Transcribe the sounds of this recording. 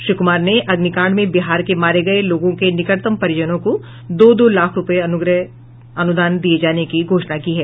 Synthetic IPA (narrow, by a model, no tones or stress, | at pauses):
ʃɾʊkʊmaːɾneʔɐɡnikãːɽmẽbɪɦaːɾkemaːɾeɡɐeloːɡõkenɪkəɽt̪əmpɐɾɪjəd͡ʒənõko | d̪oːd̪oːlaːkʰɾʊpəeʊɡɾə | ɐnʊd̪aːnd̪ied͡ʒaːnekiɡʱoːʃnakiːɦɛː